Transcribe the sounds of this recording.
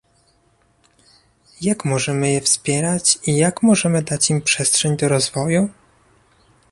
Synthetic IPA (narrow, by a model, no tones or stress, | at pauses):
jakmɔʐɛmɘjɛfspʲjɛɾat͡ɕijakmɔʐɛmɘd̪at͡ɕimpʂɛstʂɛɲd̪ɔɾɔzvɔju